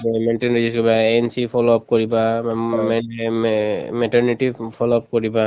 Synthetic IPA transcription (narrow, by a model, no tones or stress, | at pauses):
menʈenɹid͡ʒuskɔɹibaɛnsipʰɔlɔp̚koɹiba | mɛʈɔɹniʈipʰɔlɔp̚koɹiba